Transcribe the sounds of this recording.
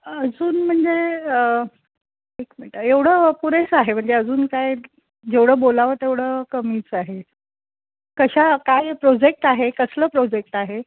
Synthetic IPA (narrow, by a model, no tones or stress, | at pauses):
əd͡zuːnm̤əɳd͡zeə | ʈikm̤əɳʈəeʋɽ̤əpuɾet͡saɦem̤əɳd͡zeəd͡zuːnkaj | d͡ʑeʋɽ̤əːbolaʋət̪eʋɽ̤əkəmiːt͡saɦe | kəɕakajpɾɔd͡ʑek̚ʈaɦekəsləːpɾɔd͡ʑek̚ʈaɦe